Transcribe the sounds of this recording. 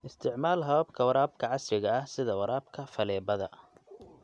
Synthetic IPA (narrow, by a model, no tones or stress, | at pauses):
ʔɪst̪ʰɪʕmaːlɦɐβɐbkʰɐwɐɾaːbkʰɐʕɑsrɪɣɐɐhsɪðɐwɐɾaːbkʰɐfɐlɛːbɐðɐ̰